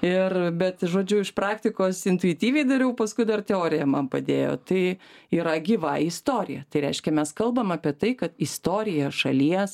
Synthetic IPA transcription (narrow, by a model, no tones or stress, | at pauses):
ɪrbʲɛt̪ʒoːd͡ʒʲʊɪʃpɾɑːkt̪ʲɪkoːsɪnt̪ʊɪt̪ʲiːʋʲɛɪd̪ɐɾʲɛʊpɐskʊɪd̪ɐrt̪ʲɛoːɾʲɪjɛmɐnpɐd̪ʲeːjo̰ːt̪ɐɪiːɾɐɡʲiːʋɐɪst̪oːɾʲɪ̰jɛt̪ɐɪɾʲɛɪʃʲkʲɛmʲɛskɐlˠbɐmɑːpʲiɛt̪ɐɪkɐt̪ɪst̪oːɾʲɪjɛʃɐlʲiɛs